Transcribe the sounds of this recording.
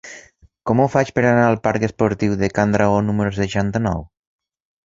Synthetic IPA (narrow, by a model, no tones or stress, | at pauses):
kɔmufat͡ʃpəɾanaːlˠpaɾkəspoɾt̪iwðekand̪ɾaɣonuməɾus̬əʃant̪ənɔ̰w